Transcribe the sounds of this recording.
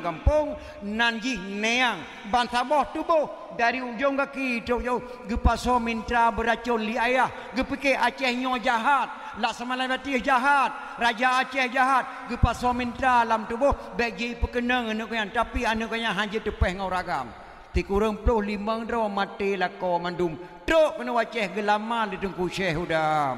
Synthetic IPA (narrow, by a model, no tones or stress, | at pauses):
ɡampʊŋ | nand͡ʒihneaŋ | bant̪abɔht̪ubʊh | daɾiud͡ʒoŋɡakit̪oʔ̚d͡ʒau | ɡəpasɔmint̪ɾabəɾat͡ʃɔnliajah | ɡəpikeʔat͡ʃɛhɲɔd͡ʒaɦat̪̚ | laʔsamalabat̪ihd͡ʒaɦat̪̚ | rad͡ʒaːt͡ʃɛhd͡ʒaɦat̪̚ɡəpasɔmint̪alamt̪ubɔh | bɛʔ̚d͡ʒipəkənəŋənəʔkaɲant̪apianəʔkaɲaɦaɲd͡ʒət̪əpɛhŋawɾaɡam | t̪ikuɾəŋplohliməŋdɾɔmat̪elakɔmandum | t̪ɾoʔkənəwat͡ʃɛhɡəlamalətəŋkuʃɛhudam